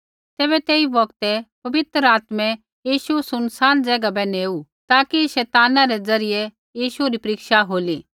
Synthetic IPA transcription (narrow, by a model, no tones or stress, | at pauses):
t̪ɛːβɛt̪eːibɐɡt̪ɛpɐʋɪt̪əɾəaːt̪mɛ̃ | jiːʃusʊnsaːnd͡zɛːɡabɛneːu | t̪aːkiʃɛːt̪aːnãɾɛd͡zɐɾɪje | jiːʃuɾipɐɾɪkʃaɦoːliː